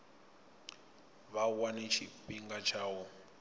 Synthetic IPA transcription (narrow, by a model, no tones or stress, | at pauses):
βawanet͡ʃʰipiŋɡat͡ʃʰaːwɔ